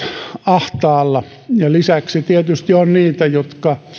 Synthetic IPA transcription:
ɑht̪ɑːlːɑ | jɑlisæksit̪iet̪yst̪ionniːt̪æjot̪kɑ

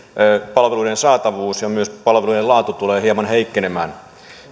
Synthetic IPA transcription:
pɑlʋeluiɾensɑːt̪ɑʋuːsjɑmyøspɑlʋeluidelɑːt̪ut̪uleːhiɑmɑnheikːenemæːn

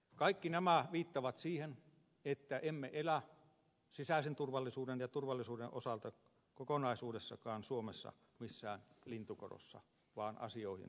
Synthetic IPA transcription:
kɑikːinæmæʋiːt̪ːɑʋɑt̪siːhen | et̪ːæʔemːeʔelæ | sisæˑisent̪urʋɑlːisuːdenjɑt̪urʋɑlːisuːdeʔʔosɑlt̪ɑ | kokonɑisuːdesːɑ̰kɑːnsuomesːɑ̰ | misːæːnlint̪uko̰ro̰sːɑ̰ | ʋɑːnɑ̰sioihḭn

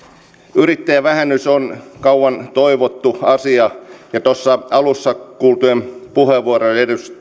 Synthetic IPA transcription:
yɾit̪ːæjæʋæhænːˑysonkɑuwʋɑnt̪oiʋot̪ːuɑsiɑjɑt̪osːɑɑlusːɑkuːlt̪uempuheʋːuoɾonedust

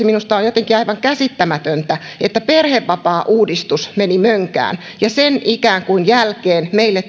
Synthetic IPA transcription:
minust̪ɑojjot̪eŋkiɑiʋɑŋkæsit̪ːæmæt̪ønt̪æ | et̪ːæperheʋːɑpɑːʔuːdist̪usmenimøŋkæ̰ːn | jɑsenʔikæːŋkuinjælkeːnmeilːet

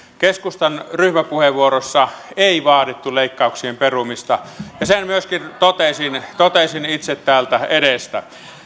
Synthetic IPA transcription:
keskust̪ɑnryhmæpuheʋʋuorosːɑeˑiʋɑːdit̪ːuleˑikːɑˑuksiemperumist̪ɑjɑsenmyøskint̪ot̪esint̪ot̪esinit̪set̪tæːlt̪æedest̪æ̰

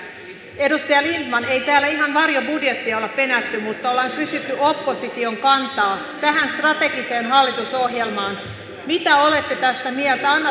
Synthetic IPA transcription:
edust̪ɑjɑlint̪mɑnejt̪æːlːæiɦɑnʋɑrjobudjet̪ːiɑolːɑppe̞næt̪ːymut̪ːɑolːɑŋkysyt̪ːyʔopːosit̪io̞ŋkɑnt̪ɑː | t̪æɦænst̪rɑt̪e̞ɡiseːnɦɑlːit̪uso̞ɦjelmɑːn | mit̪æo̞le̞t̪ːe̞t̪æst̪æmiɛlt̪æɑnːɑ

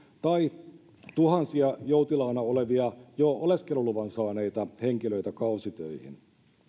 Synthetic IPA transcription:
t̪ɑi | t̪uhɑnsiɑjo̞ut̪ilɑːnɑoleʋiɑjooleskeluluʋɑnsɑːne̞jt̪ɑhe̞ŋk̟iløit̪ækɑusit̪øihḭn

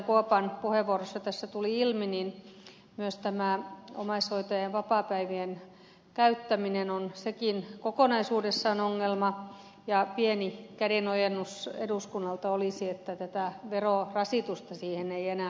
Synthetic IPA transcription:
ŋkuopɑnpuheʋʋuorosːɑt̪æsːæt̪uliilminin | myøst̪æmæˑo̰mɑishoit̪ɑjeʋɑpɑːˑpæiʋien | kæyt̪ːæminenonsekinkokonɑisuːdesːɑːnoŋːelmɑ | jɑpienikædenojenːusḛduskunːɑlt̪ɑolisiet̪ːæt̪æt̪æʋerorɑsit̪ust̪ɑsiːheneienæːˑ

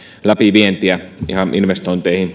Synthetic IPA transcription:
læpiʋient̪iæḭhɑninʋest̪oˑint̪eˑihin

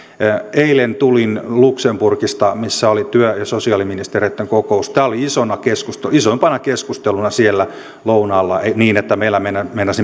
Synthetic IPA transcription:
eilent̪ulinluksempurkist̪ɑmisːæolit̪yøjɑsosiɑliminist̪ereit̪ːeŋkokoust̪æːoliisonɑkeskust̪eisoimpɑnɑkeskust̪elunɑsielːæ | lounɑlːɑeniːnet̪ːæmeilːæmenmenːɑsi

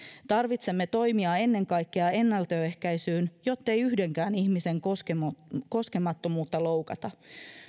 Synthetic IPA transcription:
t̪ɑrʋit̪se̞mːe̞t̪o̞jmiɑe̞nːe̞ŋkɑjkːeɑe̞nːɑlt̪øːe̞hkæjsyːnjo̞t̪ːe̞jyhde̞ŋk̟æːniçmise̞ŋkoskeko̞ske̞mɑt̪ːo̞muːt̪ːɑlo̞wkɑt̪ɑ

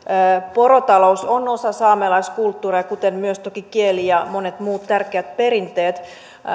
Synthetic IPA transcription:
porot̪ɑlousonosɑsɑːmelɑiskult̪ːuːreɑkut̪enmyøst̪okikielijɑmonet̪muːt̪t̪ærkeæt̪̚peɾint̪eːt̪

